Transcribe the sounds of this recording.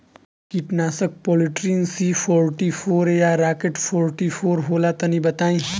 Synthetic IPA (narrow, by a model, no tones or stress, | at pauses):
kiʈnaːsək̚poːliʈɾiːnsipʰɔːɾʈifʰoːɾjaɾaːkeʈpʰoːɾʈifʰoːɾɦoːlat̪ɐnibət̪aːĩ